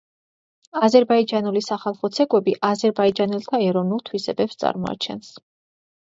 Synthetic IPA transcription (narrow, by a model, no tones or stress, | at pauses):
azɛɾbaid͡ʒanulisaχalˠχɔt̪sʰɛkʼwɛbiʔazɛɾbaid͡ʒanɛlˠt̪ʰaɛɾɔvnulˠt̪ʰwisɛbɛpst̪sʼa̰ɾmɔa̰t͡ʃʰɛ̰ns